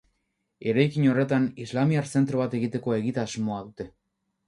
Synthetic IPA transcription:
e̞ɾajkiɲo̞re̞t̪anizlamiaɾse̞nt̪ɾoβat̪e̞ɣit̪e̞ko̞e̞ɣit̪aːzmo̞aðut̪e̞

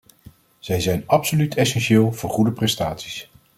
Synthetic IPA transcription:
z̥ɛjzɛjnɑpsolytʰɛsɛnʃɪːlˠv̥ʊːɹχudəprɛstaːtsi̥s

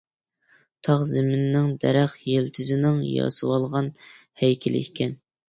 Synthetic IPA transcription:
t̪ʰɑʁzɪmɪnːɪŋd̪ɛ̰ɾæχjelt̪ʰɪzɪnɪŋjɑ̰sɨwɑlˠʁɑnhɛjkʲʰilɪ̰ikʲʰːɛn

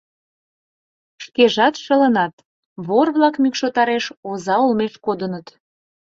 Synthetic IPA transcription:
ʃkeʒɑt̪ʃə̆lənɑt̪ | βorβlɑkmykʃot̪ɑɾeʃozɑolmeʃkod̪ənət̪

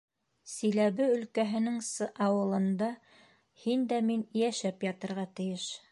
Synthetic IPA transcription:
sĭlæβɘɵ̆lkæɦɘ̆nɘŋsɤʔɑwɤ̆lˠɤ̆nd̪ɑ | hind̪æminjæʃæpjɑt̪ɤ̆ɾʁɑt̪ɘ̆jɘʃ

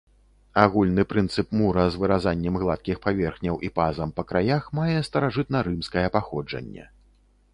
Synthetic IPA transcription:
aɣulʲnɨpɾɨnt̪sɨpmuɾɐzvɨɾazanʲːɛmɣlˠat̪̚kʲixpavʲɛrxnʲɐwʔipazɐmpɐkɾajaxmajɛst̪ɐɾaʐɨt̪̚nɐɾɨmskɐjɛpaxɔd͡ʐɐ̰nʲːɛ̰

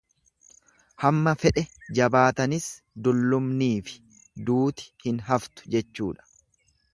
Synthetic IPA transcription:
hɐmːɐfɛʔɛd͡ʒɐbaːt̪ɐnɪs | d̪ʊlːʊmniːfɪ̥ | d̪uːt̪ɪ̥hɪnɦɐft̪ʊ̥d͡ʒɛt͡ʃːṵːᶑɐ̥

